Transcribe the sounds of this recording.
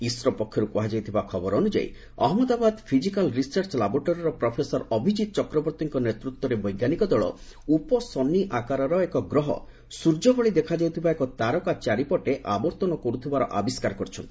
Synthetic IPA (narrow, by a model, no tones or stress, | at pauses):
isɾɔpɔkʰːjɔɾukuɦad͡ʒawt̪ʰibakʰɔbɔɾɔnud͡ʒa̰ḭ | ɔ̰ɦɔmɔd̪abad̪pʰizikalɾisaɾt͡ʃlabɔɾʈɔɾɔɾɔpɾɔpʰesɔɾɔbʱid͡ʒit̪ɔt͡ʃɔkɾɔbɔɾt̪iŋkɔnet̪ɾut̪wɔɾebɔjɡanikɔd̪ɔɭɔ̰ | upɔsɔnːiʔakaɾɔɾɔekɔɡɾɔɦɔ̰ | suɾd͡ʒɔɡɔɭid̪ekʰad͡ʒawt̪ʰibaekɔt̪aɾɔkat͡ʃaɾipɔʈeʔabɔɾt̪ɔnɔkoɾut̪ʰibaɾɔʔa̰biskaɾɔkɔɾit͡ʃʰɔnt̪i̥